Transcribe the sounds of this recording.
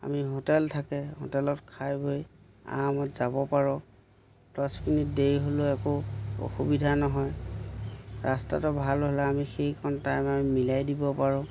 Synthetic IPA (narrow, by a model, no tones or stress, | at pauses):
a̰miɦotɛltʰakɛho̰tɛlɔtkʰajboj | a̰mɔtz̥abɔpaɹɔ | d̥ɔsminit̚deɹiɦoloɛkoo̰xubidʱanɔɦɔj | ɹasta̰tɔbʱalɦolɛamixejkʰɔntajmamimilajdibɔpaɹʊ̃